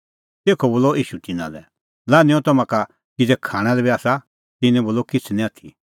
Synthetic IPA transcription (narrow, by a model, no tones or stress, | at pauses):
t̪eːkʰɔboːlɔiːʃut̪ɪnã̰lɛ̰ | laːnĩɔ̃t̪ɐmãka | kid͡zɛkʰaːɽ̃ɛlɛbiaːsa | t̪ɪnɛ̃boːlɔkɪt͡sʰnĩaːt̪ʰi